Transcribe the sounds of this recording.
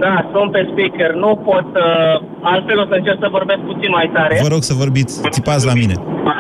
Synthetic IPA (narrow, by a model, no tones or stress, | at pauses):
d̪asɾompespikernupo̞t̪ə | alt̪fe̞losəɨnt͡ʃersəvo̞rbesk̚put̪sinmajt̪aɾe̞vəɾo̞ɡsəvo̞rbit̪sʲt̪ipat̪slamine̞̰